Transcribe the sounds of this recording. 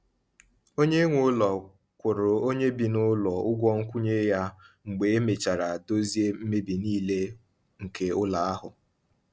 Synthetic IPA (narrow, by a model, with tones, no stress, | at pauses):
o˦ɲe˦ŋʷʊ˦ʊ˦lɔ˨ | kʷʊ˨ɾʊ˨o˦ɲe˦bi˨nʊ˦lɔ˨ʊ˦ɡʷɔ˦ŋ̩˦kʷu˦ɲe˦ja˦ŋ͡m̩˨ɡ͡be˨e˦me˨t͡ʃa˨ɾa˨do˦zi˦e˦m̩˦me˦bi˨niː˦le˦ | ŋ̩˨ke˨ʊ˦la˨a˦ɦʊ˨